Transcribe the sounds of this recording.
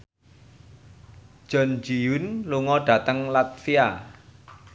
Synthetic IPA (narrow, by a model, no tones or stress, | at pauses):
ʒ̥ɔ̤nd͡ʒijunluŋɔɖ̥ä̤t̪əŋlat̪̚fia